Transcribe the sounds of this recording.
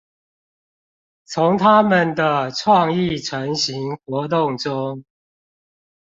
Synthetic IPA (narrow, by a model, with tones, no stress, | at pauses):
t͡sʰʊ˨˦ŋt̪ʰa˦mə˨nd̪ə˨ʈ͡ʂʰwɑ˥˧ŋi˥˨ʈ͡ʂʰə˨˦ŋɕi˨˦ŋxwɔ˨˧˥t̪̬ʊ˥˨ŋʈ͡ʂʊ˦ŋ